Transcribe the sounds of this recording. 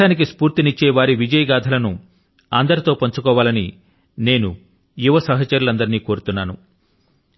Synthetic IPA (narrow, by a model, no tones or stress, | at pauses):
aːnik̬ispuːɾt̪init͡ʃːeːʋaːɾiʋid͡ʒɐjɐɡaːd̪ʰʱɐlɐnu | a̰nd̪ɐɾit̪o̞ːpoɲt͡ʃukɔːʋaːlɐni | ne̞ːnu | juʋɐsɐɦɐt͡ʃɐɾulɐnd̪ɐɾniːko̞ːɾut̪unːaːnu